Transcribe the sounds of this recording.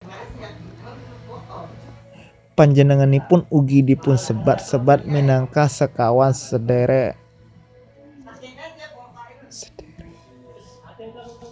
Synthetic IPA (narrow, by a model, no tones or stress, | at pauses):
paɲd͡ʒənəŋanipʊnuɡidipʊnsəbat̪̚səbat̪̚minaŋkasəkawansədeɾɛ | sd